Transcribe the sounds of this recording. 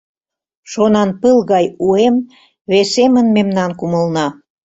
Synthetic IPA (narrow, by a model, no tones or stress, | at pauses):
ʃonɑnpəlɣɑjuem | βesemənmemnɑnkuməlnɑ